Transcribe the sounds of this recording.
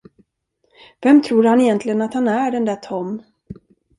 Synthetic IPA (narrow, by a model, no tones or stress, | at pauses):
vɛmt̪ʰɾuːɾhanɛjɛnt̪lɪɡənat̪hanæɖɛnd̪æt̪ʰɔm